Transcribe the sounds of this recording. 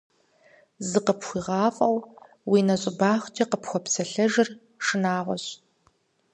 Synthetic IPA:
zɨqəpxʷiːʁɑːfʼɐw | wiːnɐɕʼɪbaːxʷtʰiqəpxʷɔpsɐɬɐʒɪr | ʂɨnaːʁʷɔɕʼ

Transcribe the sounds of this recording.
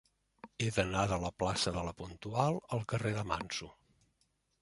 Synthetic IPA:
eðənaðələplasəðələpunt̪ualˠəlˠkəreðəma̰nsu

